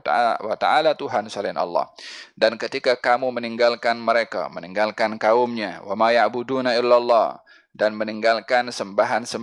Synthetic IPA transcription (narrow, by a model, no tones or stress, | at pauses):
wat̪a̰alat̪uɦansalɪnʔɑ̰lːɑ̰hdankət̪ikakamuməniŋɡalkanməɾeka̰məniŋɡalkankaʊmɲa̰wamajaʔbudunaɪlːalːɑ | danməniŋɡalkansəmbaɦansə